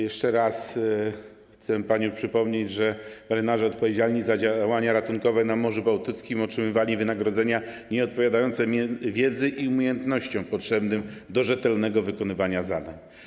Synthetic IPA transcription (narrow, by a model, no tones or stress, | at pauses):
jɛʂt͡ʂɛɾas | xt̪sɛpaɲɔ̃w̃pʂɘpɔmɲed͡ʑʐɛbɛɾɘnaʐɛɔt̪pɔvʲjed͡ʑalɲizad͡ʑawaɲaɾat̪uŋkɔvɛnamɔʐubawt̪ɘt̪skʲimɔtʂɘmɘvalʲivɘnaɡɾɔd̪zɛɲa | ɲɛɔt̪̚pɔvʲjad̪ajɔnt̪sɛmʲɛvʲjɛd̪zɛʔiumʲjejɛnt̪nɔɕt͡ɕɔ̃w̃pɔtʂɛbnɘmd̪ɔʐɛt̪ɛlnɛɡɔvɘkɔnɘvaɲazad̪aɲ